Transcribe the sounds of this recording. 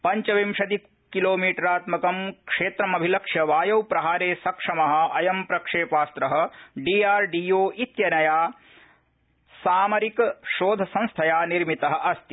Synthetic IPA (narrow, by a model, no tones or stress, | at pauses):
pɐɲt͡ʃɐʋimʃɐd̪i | kːiloːmiːʈɐɾaːt̪mɐkɐmkʂeːt̪ɾɐmɐbʱilɐkʂjɐʋaːjɐwpɾɐɦaːɾeːsɐkʂɐmɐɦɐ̆ɐjɐmpɾɐkʂeːpaːst̪ɾɐɦɐ̆ɖiːaːɾɖiːjoːʔit̪jɐnɐjaː | saːmɐɾikʃoːd̪ʱɐsɐ̃nst̪ʰɐjaːniɾmit̪ɐɦɐ̆ʔɐst̪i